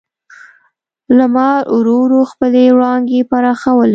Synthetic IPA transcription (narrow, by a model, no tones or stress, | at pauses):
lamɑɾʔuɾoɾoxpəlewɽɑŋɡepaɾɑxawəl